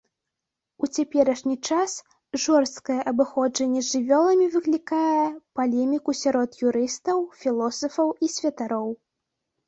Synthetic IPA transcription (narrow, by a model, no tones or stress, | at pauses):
ut͡sʲapʲɛɾɐʂnʲit͡ʂas | ʐɔrst̪kɐjɛʔɐbɨxɔd͡ʐɐnʲːɛzʲʐɨvʲɔlˠɐmʲivɨklʲikajɛpalʲɛmʲikusʲaɾɔt̪juɾɨst̪ɐwfʲilˠɔsɐfɐwisʲvʲɐt̪aɾɔw